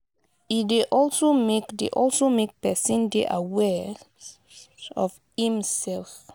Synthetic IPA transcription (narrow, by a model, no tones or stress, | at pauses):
ideʔɔlsomekdḛʔɔlsomek̚pɛsə̃ndeʔawɛ | ɔf | hĩmsɛlf